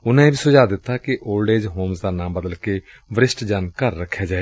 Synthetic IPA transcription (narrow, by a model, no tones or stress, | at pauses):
ʊnãẽːbiːsʊd͡ʒaːd̪ɪt̪ːaːkiʔoːlɖeːd͡ʒɦoːmsd̪aːnãːmbəd̪əlkeː | ʋəɾɪsʈd͡ʒankəɾːəkʰːjaːd͡ʒaːeː